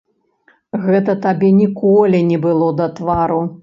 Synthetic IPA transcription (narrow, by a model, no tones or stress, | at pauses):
ɣɛt̪ɐt̪abʲɛnʲikɔlʲinʲɛbɨlˠɔd̪ɐt̪vaɾu